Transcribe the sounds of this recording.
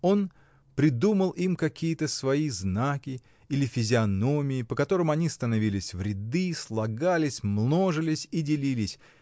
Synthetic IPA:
o̞n | pɾʲɪd̪uməlˠimkɐkʲʰijət̪əsvɐiznakʲɪ | ilʲɪfʲɪzʲɪɐno̞mʲɪːpəkɐt̪o̞ɾɨmɐnʲist̪ənɐvʲilʲɪsʲvɾʲɪd̪ɨslˠɐɡalʲɪsʲmno̞ʐɨlʲɪsʲidʲɪlʲilʲɪsʲ

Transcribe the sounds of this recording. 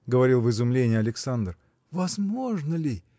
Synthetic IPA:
ɡəvɐɾʲilˠvɨzʊmlʲenʲɪjəɐlʲɪksand̪r | vɐzmo̞ʐnəlʲɪ

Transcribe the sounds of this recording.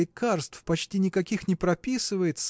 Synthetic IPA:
ɪkʰarst̪fpɐt͡ɕtʲinʲɪkɐkʲixnʲɪpɾɐpʲisɨvəjɪt̪s

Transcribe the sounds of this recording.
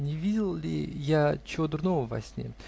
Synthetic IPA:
nʲɪvʲidʲɪlˠlʲɪ̰jat͡ɕɪod̪ɾnovəvɐ̰sʲnʲe

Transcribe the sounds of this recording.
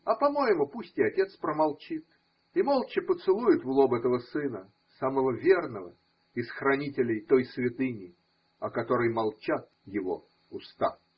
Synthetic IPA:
ɐpɐmo̞jɪmʊpusʲtʲɪɐtʲe̞t̪spɾəmɐlˠt͡ɕit̪ | imo̞lˠt͡ɕɪpət̪sɨlˠujɪt̪vlˠo̞bɛt̪əvəsɨnə | saməvəvʲe̞rnəvə̰ | ɪsxɾɐnʲitʲɪlʲɪjt̪o̞jsvʲɪt̪ɨnʲɪ | ɐkɐt̪o̞ɾəjmɐlˠt͡ɕat̪̚ | jɪvo̞̰ | ʊst̪a̰

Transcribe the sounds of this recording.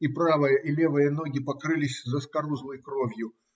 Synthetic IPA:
ipɾavəjəʔilʲe̞vɨjəno̞ɡʲɪpɐkɾɨlʲɪsʲzəskɐɾuzlˠɨjkɾo̞vʲjʊ

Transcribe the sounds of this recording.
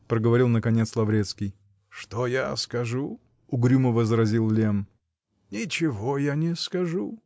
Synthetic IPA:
pɾəɡəvɐɾʲilˠnəkɐnʲet̪slˠɐvɾʲet̪skʲɪj | ʂt̪ojaskɐʐu | ʊɡɾʲuməvəzɾɐzʲilˠlʲem | nʲɪt͡ɕɪvojanʲɪskɐʐu

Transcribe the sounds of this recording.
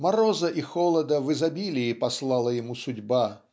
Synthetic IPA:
maɾɔzɐʔixɔlˠɐd̪ɐvɨzabʲilʲiːpɐslˠalˠɐjɪmusʊdʲba

